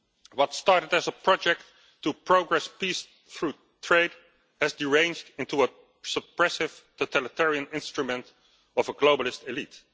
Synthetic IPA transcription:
wʌtstɑɹɾədɨzəpɹɑd͡ʒɛk̚tː | upɹoʊɡɹɛspis | fɹu | tʰɹeɪd | hɨzdiɹẽɪ̃nd͡ʒdɪ̃ntuə | səpɹɛsɪv̥totʰælɪtʰɛɹiə̃nɪ̃nstɹumə̃nt | ɔvəɡloʊbəlɪstɪlit

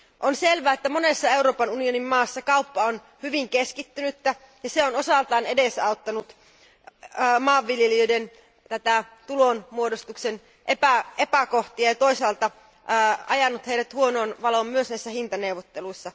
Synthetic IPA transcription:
ʔonselʋæːet̪ːæmonesːɑeuɾo̞ːpɑnunionimmɑːsːɑkɑupːɑon | hyʋiŋkeskit̪ːynyt̪ːæ | jɑseonosɑlt̪ɑːnedesɑot̪ːɑnut̪ | mɑːʋːiljeliøiden | t̪æt̪æt̪ulonmuodost̪uksen | ʔepæepækoht̪iɑjɑt̪o̞isɑːlt̪ɑ | ɑ̰jɑnːut̪heiɾæt̪huonoːnʋɑlommyøsnæisːæhint̪ɑneuwʋot̪ːeluisːɑ

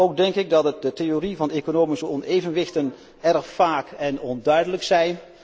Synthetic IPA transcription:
owk̚dɛŋkɪk̚dɑtədətejorivɑnejkonowmisəɔnejvənʋɪχtən | ɛrχfaːkɛnɔndœɥdələksɛjn

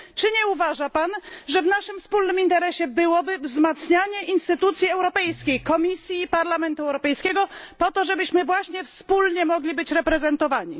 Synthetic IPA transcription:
t͡ʂɘɲɛuvaʐapanʐɛvnaʂɘmfspulnɘmint̪ɛɾɛɕɛbɘwɔbɘvzmat̪sɲaɲɛʔinst̪ɘt̪ut̪sʲjiɛwɾɔpɛjskʲejkɔmʲisʲjiːpaɾlamɛnt̪uɛwɾɔpɛjskʲɛɡɔpɔt̪ɔʐɛbɘɕmɘvwaɕɲɛfspulɲɛmɔɡlʲibɘt͡ɕɾɛpɾɛzɛnt̪ɔvaɲi

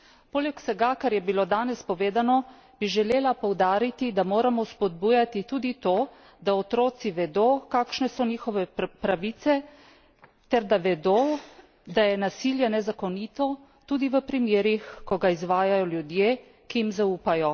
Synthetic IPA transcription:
poːlɛksɛɡakaɾjɛbilod̪aːnɛspɔʋeːd̪anɔ | biʒɛleːlapɔwd̪aːɾit̪id̪amoːɾamɔspɔd̪̚bujat̪it̪uːd̪it̪oː | d̪aɔt̪ɾoːt̪siʋɛd̪okaːkʃnɛsɔniːxɔʋɛpɾaʋiːt̪sɛ | t̪ɛɾd̪aʋɛd̪o | d̪ajɛnasiːljɛnɛzakɔniːt̪ɔ | t̪uːd̪iʋəpɾimjeːɾixkɔɡaizʋaːjajɔljud̪jeː | kijimzauːpajɔ

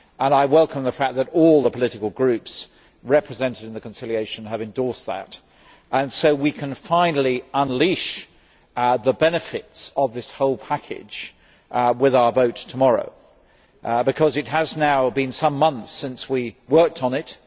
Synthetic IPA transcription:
ʔə̃naɪwɛlˠkə̃mðəfæk̚ðɨɾɔlˠðəpʰəlɪɾɨkl̩ˠɡɹʉps | ɹɛpʰɹɨzɛ̃ntɨɾ̃nðɨkn̩sɪlˠieɪʃɨ̃nəvɨ̃ndɔɹsðə̰t | ʔə̃nsoʊwikʰɨ̃nfãɪ̃nl̩ˠiə̃nliʃ | ðəbɛnɨfɪtsʌvðɪshoʊlˠpʰækʰɪ̰d̥d͡ʒ̥ | wɪðaʊə˞voʊtʰəmɑɹo̰ʊ | bɨkʰʌzɨt̚ɦəznaʊbɨ̃nsʌ̃mːʌ̃nθsɪ̃nswiwɜ˞k̚tn̩ɪt

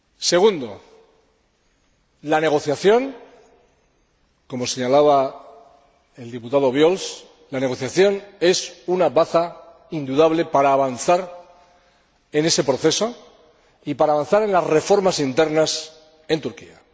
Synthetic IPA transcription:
se̞ɣ̞und̪o̞ | lane̞ɣ̞o̞θjaθjo̞ŋ | ko̞mo̞se̞ɲalaβa | e̞ld̪iput̪að̞o̞β̞jo̞ls | lane̞ɣ̞o̞θjaθjo̞ne̞sunaβaθa | ind̪uðaβle̞paɾaːβanθaɾ | e̞ne̞se̞pɾo̞θe̞so̞ | ipaɾaːβan̟θaɾe̞nlasre̞fo̞ɾmasint̪e̞ɾnas | e̞nt̪uɾkḭa̰

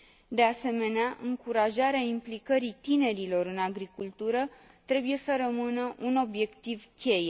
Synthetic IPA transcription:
d̪e̞ase̞me̞neaʔɨŋkuɾaʒaɾeaimplikəɾit̪ine̞ɾilo̞ɾɨnaɡɾikult̪uɾə | t̪ɾe̞buje̞səɾəmɨnəʔuno̞bje̞kt̪ivkʲe̞je

